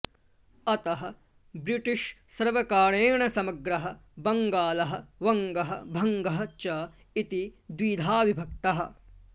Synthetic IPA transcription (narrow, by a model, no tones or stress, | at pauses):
ɐt̪ɐɦɐ̆ | bɾiʈiʂsɐɾʋɐkaːɳeːɳɐsɐmɐɡɾɐɦɐ̆bɐŋɡaːlɐɦɐ̆ʋɐŋɡɐɦɐ̆bʱɐŋɡɐɦɐt͡ʃɐ | it̪id̪ʋid̪ʱaːʋibʱɐk̚t̪ɐɦɐ̆